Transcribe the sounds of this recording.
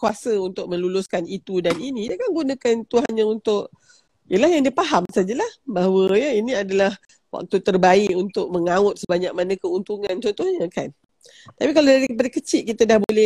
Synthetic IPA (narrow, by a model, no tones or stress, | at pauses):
kuasəunt̪ʊk̚mə̃nlulʊskanit̪udaninĩdiəkanɡunakant̪uɦanɲə̃unt̪ʊʔ | jəlahjaŋdiəpaɦamsad͡ʒalahbaɦawəjəiniadalah | wa̰k̚t̪ut̪ərbaɪʔunt̪ʊk̚məŋaʊt̪̚səbaɲak̚manãkəunt̪uŋãnt͡ʃɔnt̪ɔhɲəkan | t̪apikaladaɾikəp̬adakət͡ʃɪʔ̪̚kit̪adahbolɛ